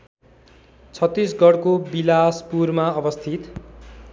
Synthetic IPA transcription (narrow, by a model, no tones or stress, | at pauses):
t͡sʰʌt̪ːis̬ɡʌɽkobilaspurmaʌbʌst̪ʰit̪